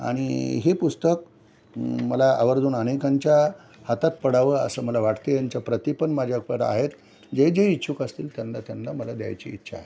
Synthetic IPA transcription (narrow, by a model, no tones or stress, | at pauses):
a̰ɽ̃ḭɦepust̪ək̚ | məlaa̰ʋəɾd̪uːnənekaɲt͡ɕja | hat̪at̪̚pəɽaʋəə̰səːməlaʋaʈt̪ejaɲt͡ɕjapɾət̪ipənmad͡ʑʱjak̚pəɾa̰ɦet̪ | d͡ʑed͡ʑeitːɕʰukəst̪iːlt̪janlat̪janlaməlad̪ja̰jt͡ɕḭːtːɕʰa̰ːɦe